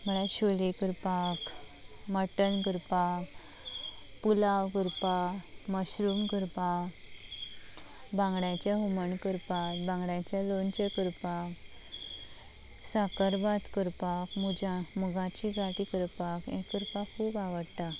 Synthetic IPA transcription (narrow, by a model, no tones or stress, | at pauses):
məɭaɕolekəɾpak | məʈəɳkəɾpa | pulawkəɾpa | məɕɾumkəɾpa | bãŋɡɽat͡ɕjaɦuməɳkəɾpatbãŋɡɽãt͡ɕjalont͡ɕəkəɾpak | sakəɾbat̪kəɾpakmud͡ʑamuɡãt͡ɕiɡʱaʈikəɾpakẽkːəɾpakʰːuːbaʋəɽt̪a